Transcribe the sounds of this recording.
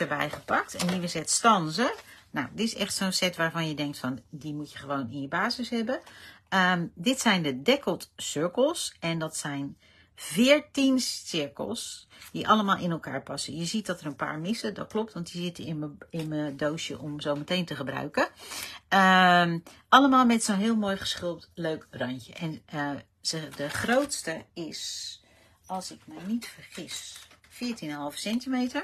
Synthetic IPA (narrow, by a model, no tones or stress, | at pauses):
təɹbɛ̰jχəpɑk̚tɛniʋəsɛtstɑnzəna̰wdɪtɪsɛxtsoːnsɛtʋaːɹvɑnjədɛŋk̚tfɔndimutjəχəʋownɪnjəbaːzəsɦɛbəədɪtsɛjndədɛkəlˠtsʏɹkəlˠsɛndɔtsɛjn | vɪːɹtinsɪɹkə̰lˠsd̥iʔɑlˠəmaːlˠʔɪnɛlˠka̰ːɹpɑsəjəzit̚dɔtəɾənpa̰ːɹmɪsədɔt̚klop̚tʋɑntizɪtəɪnməɪnmədowsjə̰ʔɔmzowmətejntəχəbra̰ɥkə | ə | ʔɑləmaːlˠmɛtsonɦɪəlˠmoːjχə̥sχɪlˠp̚tløɥkrɔncə̰ʔɛnə | ədəχrowtstəɪs | ʔɑlˠsɪkmɛjnitfəɹχɪsfɪːɹtinənɦɑlˠvəsɛntimejtə